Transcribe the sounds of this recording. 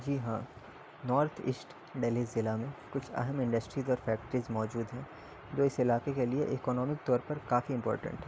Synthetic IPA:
d͡ʒiːɦãː | nɔːɾt̪ʰɪ̰sʈ | ɖeːlizɪlamẽkʊt͡ʃʰɛ̰ɦəmɪ̃ɳɖəsʈɾiːzɔːɾfɛːk̚ʈɾizmɔːd͡ʒuːd̪ɦɛ̃ː | d͡ʒoːɪsɪlaːkekelieʔɪkɔːnɔːmɪk̚t̪ɔːɾpɐɾkaːfiɪ̃mpɔ̰ːɾʈə̰̃ɳʈɦɛː

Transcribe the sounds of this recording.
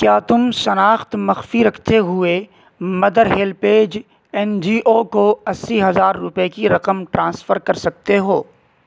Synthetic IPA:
kjaːt̪ʊmʃɐnaːxt̪mɐxfiɾɐkʰt̪eɦʊe | mɐd̪əɾɦeːlpeːd͡ʒ | ɛnd͡ʒiːʔokoɐsːiɦɐzaːɾːʊpekiɾɐqəmʈɾãːnsfəɾkɐɾsɐk̚t̪eɦoː

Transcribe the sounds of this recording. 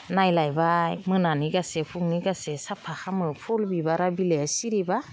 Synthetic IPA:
najlajbamɯnaniɡasepʰuŋniɡasesapʰaxamɯpʰɔlbibaɾabilesiɾiba

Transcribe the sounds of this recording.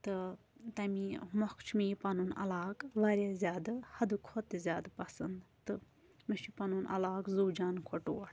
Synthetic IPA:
t̪ɨ | t̪ɐmimɔkt͡ʃʰmiːpɐnunɐ̰laːkʋɐɾʲazʲjaːd̪ɨhɐd̪ukʰot̪zʲaːd̪pɐsɐnd̪t̪ɨ | mɨʃʰipɐnunʔɐ̰laːkzuːd͡ʒaːnkʰoʈoːɽ

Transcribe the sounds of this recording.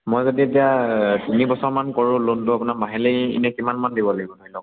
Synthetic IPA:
mojzodietijatunibɔsɔɹmankɔɹʊ̃lontʊapʊnamaɦileḭnɛkimanmandibɔlaɡibɔnoilɔk

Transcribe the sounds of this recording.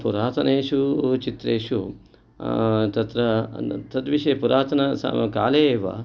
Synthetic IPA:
puɾaːt̪ɐneːʂut͡ʃit̪ɾeːʂu | t̪ɐt̪ɾɐt̪ɐt̪ʋiʃɐpuɾaːt̪ɐnɐsa̰mɐkaːleːʋɐ̰

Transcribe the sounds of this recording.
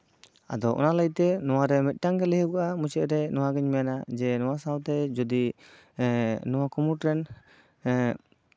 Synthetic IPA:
a̰d̪ɔʔɔ̰naləjt̪ɛnɔwaɾɛmɛt̪̚ˀʈaŋkɛlɛɦəkaʔamut͡ʃɛʔɾɛnɔwaɡɛɲmɛjanad͡ʒɛnɔwasawt̪ɛd͡ʒɔd̪i | nɔwakumuʈɾɛn

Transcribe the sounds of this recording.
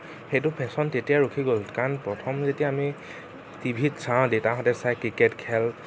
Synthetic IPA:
xejtʊpʰɛsɔntetijaɹukʰiɡolkanpɹɔtʰɔmzetiaːmi | tibʱitsãdetaɦɔtɛsajkɹiketkʰɛl

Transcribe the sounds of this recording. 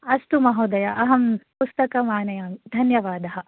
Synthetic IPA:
ɐst̪umɐɦoːd̪ɐjɐʔɐɦɐmpust̪ɐkɐmaːnɐjaːmd̪ʱɐnjɐʋaːd̪ɐɦɐ̆

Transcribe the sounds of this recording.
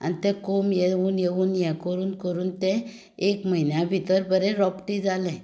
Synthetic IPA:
a̰nit̪ɛ̃komjeuːnjeʋuːnjɛkəɾuːnkəɾuːnt̪ɛ̃ | ekməɦinjabʱit̪əɾbəɾɛ̃ɾɔpʈid͡zalɛ̃

